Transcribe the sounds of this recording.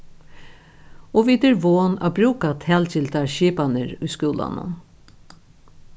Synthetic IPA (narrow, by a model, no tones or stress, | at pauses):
ɔʋiːd̪ɛɾʋoːna̰ːbɾuːkat̪ʰɛːlt͡ʃɪlt̪aɹʃiːpanəɹʊjskuːla̰nʊ̰n